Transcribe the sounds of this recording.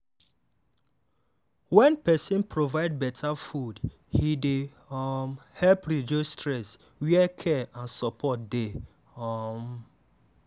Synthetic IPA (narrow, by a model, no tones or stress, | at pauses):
wɛ̃npɛsĩnpʰɾovaɪd̚bɛtʰafud | hide | mhɛlpɾid͡ʒostʰɹɛs | wɛkʰɛãnsɔpʰɔt̚de | ɔm